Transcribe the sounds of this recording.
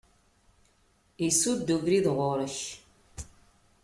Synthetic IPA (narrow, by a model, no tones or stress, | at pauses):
isud̪ːuɡɾiðʁʊɾəç